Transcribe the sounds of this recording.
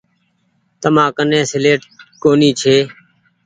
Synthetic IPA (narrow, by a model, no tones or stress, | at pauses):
t̪əmãːkənẽːsɪleːʈkoːniːt͡ʃʰeː